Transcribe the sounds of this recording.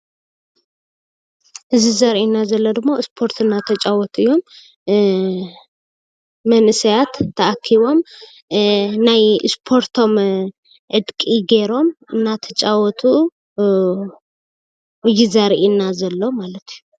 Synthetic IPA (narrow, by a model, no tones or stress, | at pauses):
ʔɨzizɐɾʔinːazɐlːod̪ɨmːoɨspʰo̞ɾt̪ɨnːat̪ʰɐt͡ʃʼawɔt̪ʰuɨjːo̞m | ɐnɨsɐjat̪ʰːɐʔakʰːiβo̞m | najɨspʰo̞ɾt̪ʰo̞m | ʕɨd̪kʼiɡe̞ɾo̞mɨnːat̪ʰɐt͡ʃʼawɔt̪ʰu | ɨjːizɐɾʔinːazɐlːo̞malɐt̪ʰiju